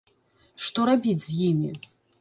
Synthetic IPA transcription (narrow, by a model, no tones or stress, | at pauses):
ʂt̪ɔɾabʲit͡sʲzʲjimʲḭ